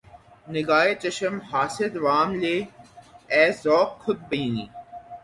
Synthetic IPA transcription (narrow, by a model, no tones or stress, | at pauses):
nɪɡaːet͡ɕɐʃəmhaːsɪd̪ʋaːmleː | ɛːzɔːkkʰːʊt̪̚bɐiːnḭː